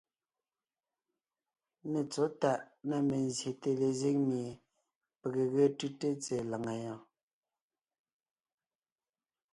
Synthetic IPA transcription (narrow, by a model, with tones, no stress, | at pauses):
ne˨t͡so˨˦ta˨ʔ | na˦me˨nzje˨te˨le˨ze˦˨ŋ̚mi˨ | pə˨ɣə˨ɣə˦tɯ˦te˦t͡se˨la˨ŋa˨jɑ̃˨